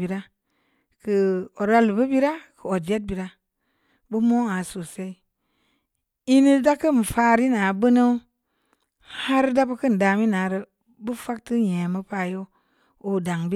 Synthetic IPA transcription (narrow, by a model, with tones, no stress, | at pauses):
i˨ɾa˦ | kə˨o˨ɾa˧lbə˦bi˦ɾa˦kə˨o˨d͡ʒe˦t̚bi˨ɾa˦ | bə˦mo˦a˨so˨se˦i˦ | i˦ni˦da˦kə˦˨m˨faː˦ɾi˦na˨bə˦nə˦ | ha˦ɾda˦bə˦kə˦n˨da˨mi˦na˨˦ɾə˦ | bə˦fa˦k̚tɨ˦ɲe˨mə˦pa˧˨jo˦ | o˨da˨ŋbi˦